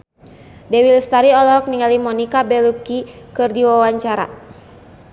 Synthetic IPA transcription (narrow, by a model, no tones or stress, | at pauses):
dɛwilst̪aɾiɔlɔɔk̚niŋalimɔnikabɛlup̚kikɨrdiwawaɲt͡ʃaɾa̰